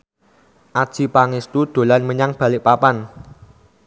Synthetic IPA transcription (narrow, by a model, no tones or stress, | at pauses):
ʔad̥ʒ̥i̤paŋɪst̪ud̪̥o̤lanməɲaŋb̥a̤lɪʔpapan